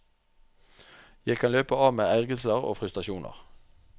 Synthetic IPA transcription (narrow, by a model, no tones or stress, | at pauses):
jæɪkʰɑnløːpəɑːʋmeːæʁɡəlsəʁo̰ːfʁʉst̪ʁɑʃuːnʔə̰ʁ